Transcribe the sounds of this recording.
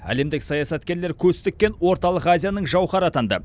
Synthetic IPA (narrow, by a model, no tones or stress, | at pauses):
æ̰le̞md̪ɪksɑjɑsɑt̪kʲe̞ɾle̞ɾkʲʰɵst̪ɪk̚ʲːe̞nwo̞ɾt̪ɑlˠəqazʲijanəɴʒɑwχɑɾɑt̪ɑnd̪ə̰